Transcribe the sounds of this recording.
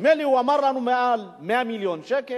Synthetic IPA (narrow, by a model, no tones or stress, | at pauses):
mɛliuwamaɾlanumɛalmɛamiliɔnʃɛkɛ